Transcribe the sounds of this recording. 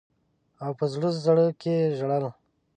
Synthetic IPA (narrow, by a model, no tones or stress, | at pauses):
awpəzɽuzzaɽəkʰeʒɽal